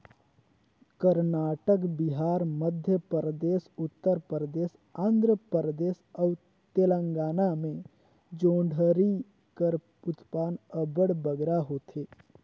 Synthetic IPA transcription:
kəɾnaːʈəkbɪɦaːɾməd̪ʱjəpəɾəd̪eːsʊt̪ːəɾpəɾəd̪eːs | ãːnd̪ɾəpɾəd̪eːsəw | t̪elə̃ŋɡaːnamẽ | d͡ʒõːɳɖʱəɾi | kəɾ | ʊt̪paːnəbəɽbəɡɾaɦoːt̪ʰeː

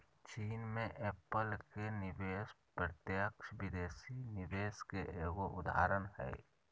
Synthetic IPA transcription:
t͡ʃiːnmẽʔeːpəlkenɪʋeːspɾət̪jəkʃbɪd̪eːsinɪʋeːskeʔeːɡoʔʊd̪ʱa̰ːɾənɦɛ̰ː

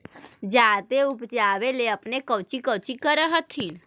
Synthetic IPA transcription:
d͡ʒaːt̪eupt͡ʃaːʋeleəpnekəʋt͡ʃikəʋt͡ʃikəɾəɦət̪ʰin

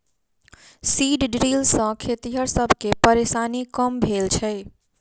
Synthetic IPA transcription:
siɖɖɾilsə̃kʰet̪iɦəɾsəbʱkepəɾesanikəmbʱelt͡ʃʰɛj

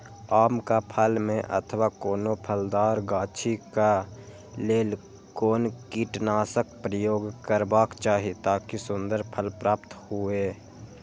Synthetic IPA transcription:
aːmkapʰəlmẽʔə̰t̪ʰəwakoːnopʰəld̪aːɾɡaːt͡ʃʰika | leːl | koːnkiːʈnaːsək̚pɾəjoːɡkəɾbaːkt͡ʃaːɦit̪aːkisʊ̃nd̪əɾpʰəlpɾaːpt̪hueː

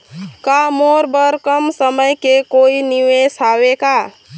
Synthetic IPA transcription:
kamoɾbəɾkəmsəməjkekoiniʋesaweka

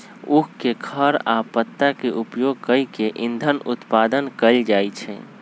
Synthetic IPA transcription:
ukkekʰəɾapət̪ːakeʔupjoɡ̚kəikeʔind̪ʱənut̪pad̪ənkəld͡ʒajt͡ʃʰɛ̰

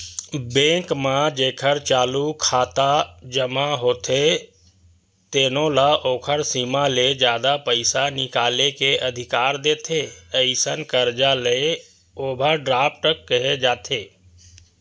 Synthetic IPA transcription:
bẽːkmãd͡ʒeːkʰəɾt͡ʃaːlukʰaːt̪ad͡ʒəmaɦoːt̪e | t̪eːnõlaʔoːkʰəɾsiːmaled͡ʒjaːd̪apəɪsanɪkaːlekeʔəd̪ʱɪkaːɾd̪eːt̪ʰeəɪsənkəɾd͡ʒale | oːbʱəɖɾaːp̚ʈəkːəɦed͡ʒaːt̪ʰeː

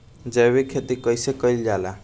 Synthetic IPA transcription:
d͡zʌβekʰet̪ikʌjsekʌjld͡ʒala

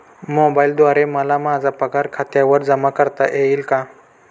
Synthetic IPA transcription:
mobaild̪ʋaɾeməlamad͡zʱapəkaɾkʰat̪jaʋəɾd͡zəmakəɾt̪aʔeiːlka

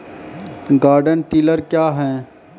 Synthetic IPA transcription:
ɡaːɾɖənʈiːləɾkjaːɦɛ̃ː

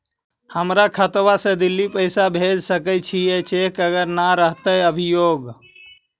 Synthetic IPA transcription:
həmɾakʰət̪wasẽd̪ilːipəɪsabʱed͡ʒsəkət͡ʃʰijet͡ʃʰekəɡəɾnaɾəɦt̪əjəbʱijoɡ

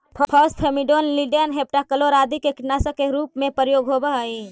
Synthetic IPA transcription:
ppʰəsʈɦʰemiɖonliɖijənɦep̚ʈakəloɾad̪ikekiʈnasəkeɾupmepɾəjoɡɦobəɦəi

